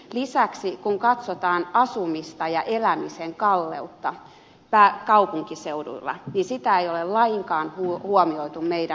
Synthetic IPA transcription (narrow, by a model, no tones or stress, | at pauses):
lisæksikuŋkɑt̪sot̪ɑːnɑsumist̪ɑjɑʔelæmiseŋkɑlːḛut̪ːɑ | pæːkɑupuŋkiseuɾṵilːɑ̰nisit̪æeijolellɑiŋkɑːnhuhuomioit̪ummeidæ